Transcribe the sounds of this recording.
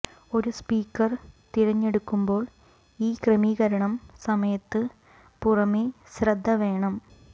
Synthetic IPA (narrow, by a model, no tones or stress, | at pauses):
o̞ɾuspiːkːɐrt̪iɾɐɲːe̞ɽukːumbo̞ːɭ | iːkremiːɣɐɾɐɳɐmsɐmɐjɐt̪ːɨ | purɐme | srɐd̪ʱːɐʋe̞ːɳɐm